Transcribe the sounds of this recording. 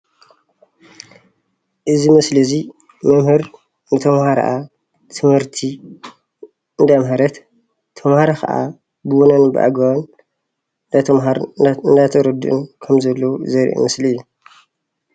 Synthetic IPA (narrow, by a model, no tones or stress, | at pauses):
ʔɨzimɨslizi | mɐmhɨɾ | nɨt̪ʰɐmhaɾɐ̰ʔa | t̪ʰɨmhɨɾt̪ʰi | ɨnd̪amɦɐɾɐt̪ | t̪ʰːɐmhaɾakʰɐ̰ʔa̰ | bɨwonɐnbɨ̰ʔa̰ɡɐwɐn | at̪ʰɐmɦaɾɨnd̪at̪ʰɐɾɐd̪ɨʔɨ̰nkʰɐmzɐlːɐwuzɐɾʔo̰mɨsliɨjːu